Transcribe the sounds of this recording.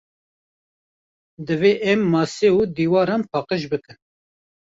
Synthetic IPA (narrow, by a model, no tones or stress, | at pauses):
d̪ɨveːʔɛmːɑːseud̪iːwɑːɾɑːnpʰɑːqəʃ̬bɨkɨn